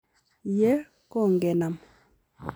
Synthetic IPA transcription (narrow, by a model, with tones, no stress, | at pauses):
je˦ | ko˦˨ŋɡɛ˨na˨m